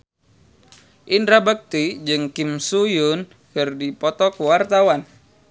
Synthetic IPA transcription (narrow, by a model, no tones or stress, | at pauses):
ʔindɾabak̚t̪id͡ʒɨŋkimsujʊn | kɨrdipɔt̪ɔkəwart̪awan